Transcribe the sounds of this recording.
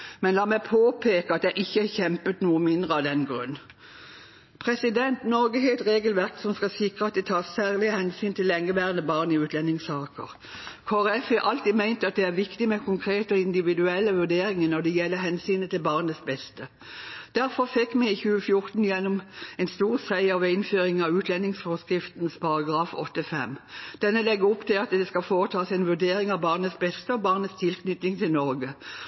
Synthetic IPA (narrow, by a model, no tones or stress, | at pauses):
mɛnlɑːmæɪpʰoːpʰeːkəɑt̪̚d̪æɪʔɪçːəhɑçɛmpət̪nuːəmɪnd̪ʁəɑd̪ɛnɡɾʉ̰nː | pʰʁɛsɪd̪ɛnt̪nɔʁɡəɦeːlt̪ʁeːɡəlʋæʁksɔmskɑsɪkʁəɑt̪̚d̪ɛt̪ʰɑːssæːʁlɪəhɛnsyːnt̪ʰɪlːɛŋːəʋæːʁənəbɑːʁnɪʉːt̪ʰlɛnːɪŋsɑːkə̰ʁ | kʰoːʁɛfɛʔɑlt̪iːmæɪnt̪əɑt̪̚d̪ɛæʁʋɪkt̪ɪmɛkʰʊŋkʰɾeːt̪əɔɪnd̪ɪʋɪd̪ʉɛlːəʋʉʁd̪eːɾɪŋənɔd̪ɛjɛlːəɦɛnsyːnət̪ʰɪlbɑːʁnəsbɛst̪ə | d̪̥æɾfɔʁfɛkːmɛɪçʉːəfjʊɾt̪n̩jɛnːʊmɛnst̪uːʁsæɪɑʋɪnføːɾɪŋɑʋʉːt̪lɛnːɪŋsfɔʁskɾɪft̪nspʰɑɾɑɡʁɑːfɔ̰t̪ːəfɛmːd̪̥ɛnːəlɛɡːəɔpt̪ʰɪlɑt̪̚d̪ɛskɑfoːʁət̪ʰɑːsɛɪnʋʉʁd̪eːɾɪŋɑʋbɑːʁnəsbɛst̪əɔbɑːʁnət̪st̪ʰɪlkʰnʏt̪nɪŋt̪ʰɪlnɔɾɡə